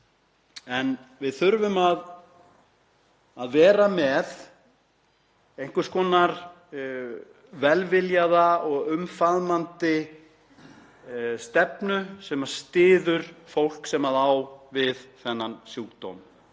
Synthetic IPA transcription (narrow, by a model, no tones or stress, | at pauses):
ɛnvɪðθʏɾvʏmað | aðvɛːɾamɛð | ejŋ̥kʏ̥skɔːnaɾ | vɛlvɪljaðaɔɣʏmfaðmant̪ɪ | st̪ɛpnʏsɛmaɾ̥st̪ɪːðʏɾ̥fowl̥ksɛmaðawvɪðθɛnːansjuːkt̪o̰wm